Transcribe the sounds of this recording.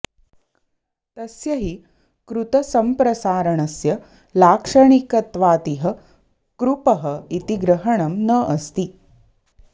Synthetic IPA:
t̪ɐsjɐɦi | kɾut̪ɐsɐmpɾɐsaːɾɐɳɐsjɐ | laːkʂɐɳikɐt̪ʋaːt̪iɦɐ | kɾupɐɦɐit̪iɡɾɐɦɐɳɐmnɐʔɐst̪i

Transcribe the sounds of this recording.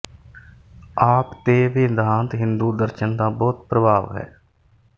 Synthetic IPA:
aːpt̪eːʋɪd̪ʱaːnt̪ɦɪnd̪uːd̪əɾʃənd̪aːbɔːt̪̚pɾəbʱaːʋɦɛ̰ː

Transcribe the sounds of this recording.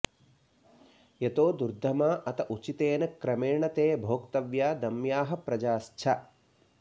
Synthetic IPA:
jet̪oːd̪uɾd̪ʱːɐmaːʔɐt̪ɐʔut͡ʃit̪eːnɐkɾɐmeːɳɐt̪eːbʱoːkt̪ɐʋjaːd̪ɐmjaːɦɐ̆pɾɐd͡ʒaːst͡ʃʰɐ

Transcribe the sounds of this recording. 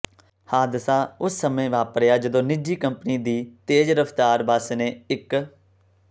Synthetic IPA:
haːd̪ɪsaːʊsːəmẽːʋaːpəɾjaːd͡ʒəd̪õːnɪd͡ʒiːkəmpniːd̪iːt̪eːd͡ʒɾəfʰt̪aːɾbəsneːɪk

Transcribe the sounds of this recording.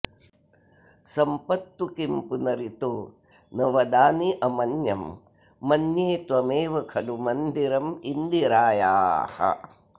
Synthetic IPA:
sɐmpɐt̪ʋukimpunɐɾit̪oː | nɐʋɐd̪aːniʔɐmɐnjɐmː | ɐnjeːt̪uɐmeːʋɐkʰɐlumɐnd̪iɾɐmind̪iɾaːja̰ːhɐ̰

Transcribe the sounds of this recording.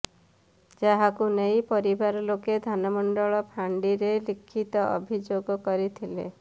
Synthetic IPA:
d͡ʒaɦakunejpɔɾibaɾɔloked̪ʱanɔmɔɳɖɔɭɔpʰaɳɖiɾelikʰːit̪ɔʔɔ̰bʱid͡ʒoɡɔkɔɾit̪ʰilḛ

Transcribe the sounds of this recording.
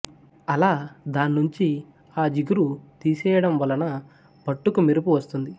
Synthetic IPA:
ɐlaːd̪aːnːuɲt͡ʃi | aːd͡ʒiɡuɾut̪iːsɛːjɐɽɐmʋɐlɐnɐ | bɐʈːukumiɾupuʋɐst̪und̪i

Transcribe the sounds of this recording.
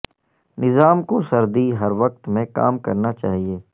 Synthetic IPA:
nɪzaːmkosɐɾd̪iɦɐɾʋɐq̚t̪mẽka̰ːmkɐɾnat͡ʃa̰ːɦieː

